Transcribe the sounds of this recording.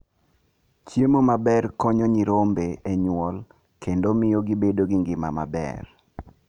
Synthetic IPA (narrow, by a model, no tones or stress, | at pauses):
t͡ʃjemomabɛrkɔɲɔɲiɾombeeɲwɔl | kendomɪjoɡibedoɡɪŋɡɪma̰ma̰bɛ̰r